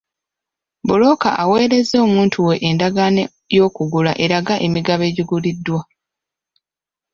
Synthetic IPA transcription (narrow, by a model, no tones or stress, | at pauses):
bulo̞ka̰ʔawe̞ːɾe̞zo̞ːmuːntʰuwe̞ʔːndaɡane | jo̞ːkuɡula̰ʔe̞ɾaɡaʔe̞miɡaβe̞ːɟiɡulidːwa